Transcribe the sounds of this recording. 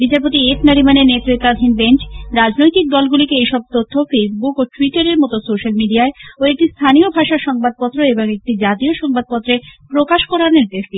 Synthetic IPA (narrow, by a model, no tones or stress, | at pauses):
bit͡ɕaɾpot̪iefʰnaɾimanenet̪ːɾit̪ad̪ʱinbent͡ɕɾad͡ʑnojt̪ik̚d̪ɔlɡulikeejʃɔb̚t̪ot̪ʰːofesbukoʈuiʈaɾeɾmɔt̪osoʃalmiɖiaeoek̚ʈist̪ʰaniobʱaʃaʃɔŋbad̪̚pɔt̪ːɾoeboŋek̚ʈid͡ʑat̪ioʃɔŋbad̪̚pɔt̪ːɾepɾokaʃkoɾaniɾd̪eʃɖi